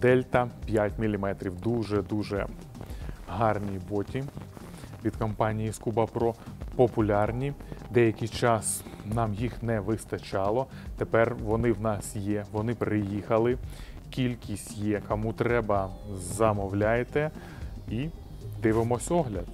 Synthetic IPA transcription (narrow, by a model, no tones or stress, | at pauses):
d̪ɛlʲt̪ɐpʲjatʲmʲilʲimɛt̪ɾʲiwd̪uʒɛd̪uʒɛ | ɦɑrnʲibɔtʲi | ʋʲid̪kɔmpɑnʲijiskubɐpɾɔpɔpʊlʲɑrnʲid̪ɛjɐkʲɪjt͡ʃɑsnɑmjixnɛʋɪst̪ɐt͡ʃɑlˠɔ | t̪epɛrʋɔnɪwnɑsjɛʋɔnɪpɾɪjixɐlˠɪkʲilʲkʲisʲtʲjɛkɔmut̪ɾɛbɐzɐmɔwlʲajet̪ɛ | i | d̪ɪʋɪmɔsʲɔɦlʲɐd̪